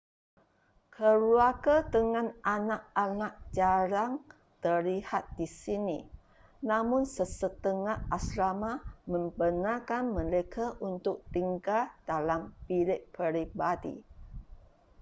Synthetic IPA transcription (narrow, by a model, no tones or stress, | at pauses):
kʰəɾuakat̪əŋãnʔanakanak̚d͡ʒaɾaŋ | t̪ərlihat̪̚disinḭ | namʊnsəsət̪əŋaʔaslamamə̃mbənakanməlekʰaʔunt̪ʊk̚t̪iŋɡadalampilɪʔ̚pəɾibadḭ